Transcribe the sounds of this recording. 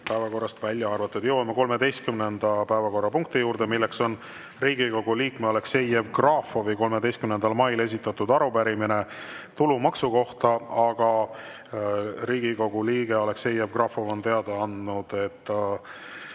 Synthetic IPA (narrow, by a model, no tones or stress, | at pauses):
pæevɑko̞rːɑst̪vælʲjɑɑrvɑt̪ːˑud̪je̞wɑmeko̞lme̞d̪e̞jst̪̚kymnend̪̥ɑpæevɑko̞rːɑpuŋk̚t̪ijuːrd̪̥e̞milːekso̞n | riːɡ̥iko̞ɡ̥uliːkmeole̞kse̞jevkrɑːfovɨjko̞lmed̪e̞jst̪kymnend̪̥ɑlmɑjle̞s̬ʲit̪ːˑɑt̪ːˑud̪ɑɾupæɾiminet̪ulumɑksuko̞ht̪ɑɑɡ̥ɑ | riːɡiko̞ɡ̥uliːɡ̥eole̞kse̞jevɡrɑːfovo̞nt̪e̞ɑd̪̥ɑɑnd̪nud̪̥e̞t̪ːˑ